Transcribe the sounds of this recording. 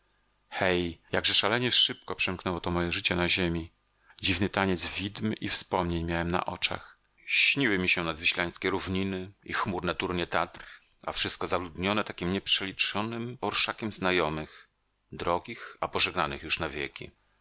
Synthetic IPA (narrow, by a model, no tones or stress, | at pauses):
xɛjjaɡʐɛʂalɛɲɛʂɘp̚kɔpʂɛmknɛwɔt̪ɔmɔjɛʐɘt͡ɕɛnaʑemʲi | d͡ʑivnɘt̪aɲɛd̪zvʲid̪mʔifspɔmɲeɲmʲjawɛmna̰ʔɔ̰t͡ʂa̰x | ɕɲiwɘmʲiɕɛnad̪viɕlaj̃skʲɛɾuvɲinɘḭxmuɾnɛt̪uɾɲɛt̪at̪ɾ | a̰fʂɨst̪̚kɔzalud̪ɲɔnɛt̪akʲimɲɛpʂɛlʲit͡ʂɔnɘmɔɾʂakʲɛmznajɔmɘx | d̪ɾɔɡʲixapɔʐɛɡnanɘxjuʂnavʲjḛkʲḭ